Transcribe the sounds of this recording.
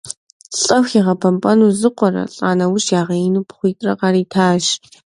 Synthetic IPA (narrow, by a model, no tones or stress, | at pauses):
ɬʼɐweʁɐpʰɐmpʼɐnuːzɨqʷɔrɐ̰ɬʼa̰ːnɐwʊʃjaːʁɐɪnuːpʰχʷiːtʼrɐqɑːɾiːtʰaːʃ